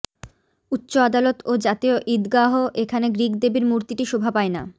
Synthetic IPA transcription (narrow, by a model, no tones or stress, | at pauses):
ut̪ːɕoad̪alot̪od͡ʑat̪ioʔid̪ɡaɦoʔekʰaneɡɾiɡd̪ebiɾmuɾt̪iʈiʃobʱapaena̰